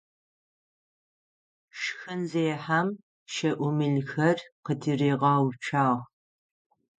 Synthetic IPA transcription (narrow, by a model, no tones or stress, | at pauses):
ʃxɨnzeːjħam | ʃɐʔʷʊmɨɮxɐrqədɨreːʁɑːwt͡ʃʰaːʁ